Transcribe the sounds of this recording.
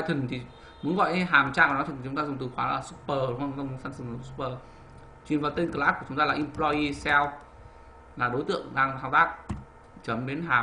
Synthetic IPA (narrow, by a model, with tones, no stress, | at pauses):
t̪ʰi˨˩ŋt̪ʰi˨˩ | mu˨˦ənɣɔ̰˧˨jʔɦaː˨˩mt͡ɕaː˧a˨˩nɔ˨˦t̪ʰt͡ɕʊ˨˦ŋ͡mt̪aː˧zʊ˨˩ŋ͡mt̪ɨ˨˩xwaː˨˦la̰ː˨˩sʊ˦˥k͡p̚pəː˨˧˩ŋ͡mə˧sa˧ŋsɨ˨˧˨su̥˦˥p̚əː˧˩ | t͡ɕwi˨˩ənva˨˩t̪i˧nŋkə˨˩laː˦˥ku˧˩t͡ɕʊ˨˦ŋ͡mt̪a˧aː˨˩ʔi˧plɔ˧ji˧sɛ˧w | laː˨˩ɗo˨˦jt̪ɨ̰˧˨əŋɗaː˧ŋt̪aː˧wt̪aː˦˥k̚ | t͡ɕə˨˦mɗe˨˦nɦaː˨˩m